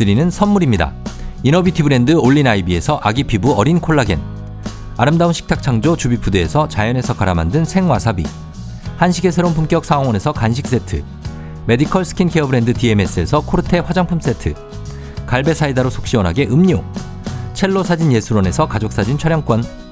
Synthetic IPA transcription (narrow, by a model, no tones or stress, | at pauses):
ɯɾinɯnsʰʌnmuɾimɲida̰inʌbitʰibɯɾe̞ndɯoʎːinaibie̞sʰʌʔaɡipʰibuʌɾinkʰoɭːaɡe̞̰n | aɾɯmdaunɕʰi̥k̚tʰak̚t͡ɕʰaŋd͡ʑot͡ɕubip͈ʰudeːsʰʌt͡ɕajʌne̞sʰʌkaɾamandɯnsʰe̞ŋwasʰabḭ | hanɕʰiɡe̞s̬ʰe̞ɾounpumk͈jʌk̚s͈ʰaoŋwʌnesʰʌkanɕ̬ʰik̚s͈e̞tʰɯ̰ | me̞dikʰʌɭsʰɯ̥kʰinkʰe̞ʌbɯɾe̞ndɯtie̞me̞s͈ɯe̞sʰʌkʰoɾɯtʰe̞ɸwad͡ʑaŋpʰums͈e̞tʰɯ | kaɭbe̞sʰaidaɾosʰo̥k̚ɕ͈iʌnɦaɡe̞ʔɯmɲo | t͡ɕʰe̞ɭːosʰad͡ʑinje̞sʰuɾwʌne̞sʰʌkad͡ʑok̚s͈ad͡ʑint͡ɕʰʌɾjʌŋk͈wʌn